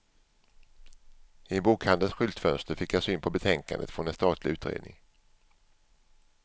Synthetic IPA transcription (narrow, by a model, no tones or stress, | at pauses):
ɪbuːkhand̪ənsɧʏlt̪fœnst̪əɾfɪkjasyːnpʰɔbɛt̪ʰɛŋka̰nd̪ət̪fɾɔnɛnst̪ɑːt̪ʰlɪʉ̟ːt̪ɾḛːd̪nɪ̰ŋ